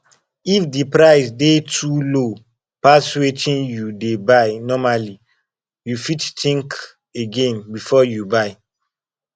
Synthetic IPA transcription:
ifdipɾaɪsdetʰulo | paswetʰĩnjudebaɪnɔmali | jufittĩŋk | eɡẽnbifɔjubaɪ

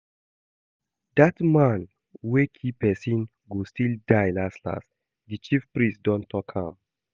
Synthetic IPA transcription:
d̪atmãn | wekʰipɛsĩn | ɡostildajlasla̰s | dit͡ʃifpɹĩsdɔ̃ntʰɔkhã̰m

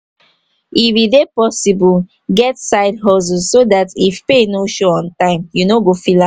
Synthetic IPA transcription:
iwidepɔsibu | ɡɛtsaɪdɦɔz̬usodatifpenoʃɔɔ̃ntãɪ̃mjunoɡofila

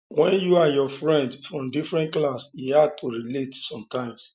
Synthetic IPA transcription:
wɛ̃njuajɔfɹɛ̃ndfɹɔ̃mdifɹɛ̃ntklasjihad̚tʰuɹiletsɔ̃mtãɪ̃ms

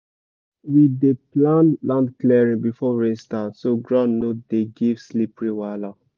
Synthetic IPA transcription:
wideplãnlãndklɛɹĩbifɔɹestatsoɡɹãnnodeɡivslipɹiwala

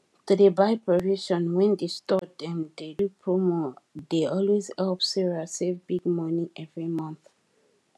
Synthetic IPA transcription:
tudebaɪpɹɔviʃɔ̃nwɛ̃ndestɔt̚dɛ̃mdedupʰɹomodeɔlwezhɛlpsɛɹiasevbiɡmʌniʔɛvɹimʌ̃nθ

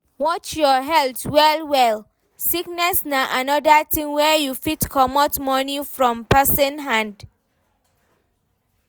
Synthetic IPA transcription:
wɔt͡ʃjɔɦɛltwɛlwɛl | siknɛsnaʔanɔdatʰĩŋwɛjufitkʰɔmɔtmɔnifɹɔ̃mpɛsɔ̃nɦãnd

